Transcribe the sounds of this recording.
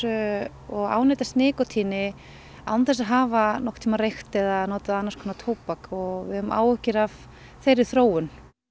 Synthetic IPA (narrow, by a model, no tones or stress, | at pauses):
ɔɣa̰ːwnejt̪ast̪nɪːkɔt̪ʰiːnɪ | a̰wnθɛs̬aɦaːvanɔxkt̪ʰimarejxt̪ɛðanoːt̪aðanːaɾskʰɔnat̪ʰoːwpakɔɣvɪ̰ðʏmʔa̰ːwɛhcɪɾav̥ | θejɾɪθɾoːwʏn